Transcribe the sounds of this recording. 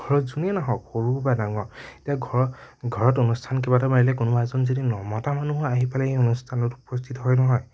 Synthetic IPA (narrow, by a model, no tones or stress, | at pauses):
ɡʱɔɹɔzuniɛnaɦɔkoɹubadaŋɔetiaɡʱɔɡʱɔɹɔtonustʰankebatɔmaɹilɛkunɔazɔnzodinɔmɔtamanuɦɔaɦipalaejonustʰanɔtupɔst̪ʰitɔɦɔjnɔɦɔj